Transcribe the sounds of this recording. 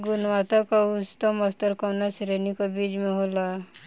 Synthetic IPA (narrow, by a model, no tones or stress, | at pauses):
ɡunwat̪ɔkɔust̪ɔmʌst̪ʌɾkɔwnasiɾenikɔbid͡ʒmeɦola